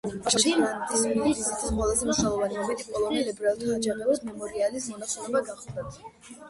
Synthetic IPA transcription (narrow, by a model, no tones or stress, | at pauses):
ʃimant̪ʰisuiliɾizit̪ʰisqʼwɛlˠazɛmuʃnalˠɔvaniɔbit̪ʰikʼɔlˠɔnilɛbɾalˠuad͡ʒabʼɛlad̪mɛmɔɾialismɔnasɛlɔbaɡaχd̪ad̪